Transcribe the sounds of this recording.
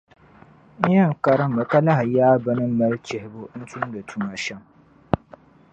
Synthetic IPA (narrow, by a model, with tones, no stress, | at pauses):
n̩˦jɛ˦ŋ̩˨ka˦ɾɨ˦m̩˦bɨ˨ka˦la˦ɦɪ˨jaː˦ba˦nɨ˦m˦ma˦lt͡ʃɛ˨hɪ˨bo˦n̩˦tu˦n˦dɨ˨tʰu˦ma˨ʃɛ˦m